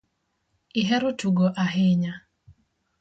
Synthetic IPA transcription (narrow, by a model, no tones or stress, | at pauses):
ɪɦɛɾʊtuɡoʔaɦɪɲa